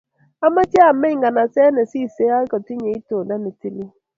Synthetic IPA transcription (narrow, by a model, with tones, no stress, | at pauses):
a˦ma˦tja˦˨me˦ŋɡa˨na˨sɛ˦nɛ˨si˦˨se˦a˦kɔ˨ti˦ɲe˨i˦to˨da˦ne˨ti˦li˦